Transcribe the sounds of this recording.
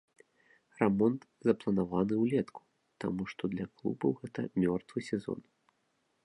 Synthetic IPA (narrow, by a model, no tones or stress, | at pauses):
rɛmɔnt̪zɐplˠɐnavanɨwlʲɛt̪kʰu̥ | t̪a̰muʂt̪ɔd̪lʲɐklˠṵbɐ̰wɣɛt̪ɐmʲɔrt̪vɨsʲɛzɔ̰n